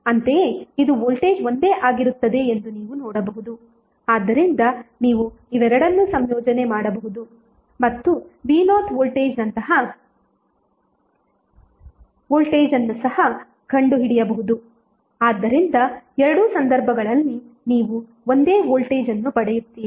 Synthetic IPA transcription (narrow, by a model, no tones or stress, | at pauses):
ɐnt̪eeːid̪uoːlʈe̞ːd͡ʒʋo̞nd̪e̞ːʔaːɡiɾut̪ːɐd̪e̞end̪uniːʋunɔːɽɐbɐɦud̪u | aːd̪ːɐɾind̪ɐniːʋu | iʋɛɾɐɽɐnːusɐmjɔːd͡ʒɐne̞maːɽɐbɐɦud̪u | mɐt̪ːubiːnaːt̪ʰʋoːlʈeːd͡ʒnɐnt̪ɐɦɐ | oːlʈeːd͡ʒɐnːusɐɦɐ | kʰɐɳɖuɦiɽijɐbɐɦud̪u | aːd̪ːɐɾind̪ɐɛɾɐɽusɐnd̪ɐɾbʱɐɡɐɭɐlːi | niːʋu | o̞nd̪e̞ːʋoːlʈe̞ːd͡ʒɐnːupɐɽejut̪ːiːii